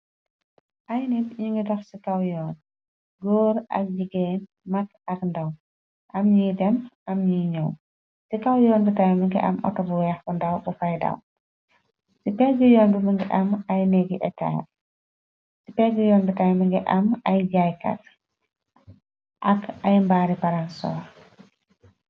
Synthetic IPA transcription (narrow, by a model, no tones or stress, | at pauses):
ʔɐjnitɲiŋɡidɐxsikɐwjɔːn | ɡɔːɾɐ̰k̚ɟiɡɛːn | mɐk | ɐkndɐw | ʔɐmɲidɛmʔɐmɲiːɲɔw | sikɐwjɔːnbutajmɐŋɡḭʔɐ̰mʔɔ̰tɔbuwɛxbundɐwbufɐjdɐ̰w | sipɛɡujɔːnbumiŋɡɛʔɐmajnɛɡiʔɛta̰ː | sipɛɡijɔːndutajmiŋɡɛʔamajɟajka̰t | ʔakajmbaːɾipaɾansɔ̰ːɾ